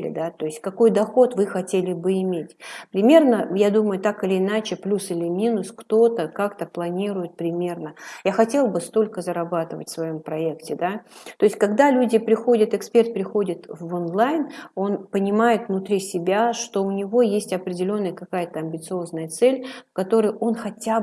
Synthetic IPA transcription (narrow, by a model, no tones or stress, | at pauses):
lʲɪ̰d̪at̪o̞ɪsʲtʲkɐko̞jd̪ɐxo̞t̪vɨxɐtʲelʲɪbɨɪmʲetʲpɾʲɪmʲe̞rnəjad̪uməjʊt̪akɨlʲɪːnat͡ɕɪplʲusɨlʲɪmʲinʊskt̪o̞t̪əkakt̪əplˠɐnʲiɾʊjɪt̪̚pɾʲɪmʲe̞rnəjaxɐtʲe̞lˠbɨst̪o̞lʲkəzəɾɐbat̪ɨvə̰tʲfʲsvɐjo̞mpɾɐe̞ktʲɪd̪at̪o̞ɪsʲtʲkɐɡd̪alʲudʲɪpɾʲɪxo̞dʲət̪ɨkspʲe̞rt̪̚pɾʲɪxo̞dʲɪt̪vonlˠajno̞npənʲɪmajɪt̪vnʊt̪ɾʲisʲɪbʲaʂt̪o̞ʊnʲɪvo̞jesʲtʲɐpɾʲɪdʲɪlʲo̞nːəjəkɐkajət̪əɐmbʲɪt̪sɨo̞znəjət̪sɛlʲfkɐt̪o̞ɾəjo̞nxɐtʲa